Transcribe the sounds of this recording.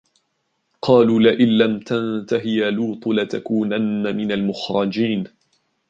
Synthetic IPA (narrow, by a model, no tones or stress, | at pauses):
qʰɑːluːlaʔɪnːamt̪ant̪aɦɪjaluːt̪ˤlat̪akuːnanːamɪnalmʊxɾˤɑd͡ʒiːn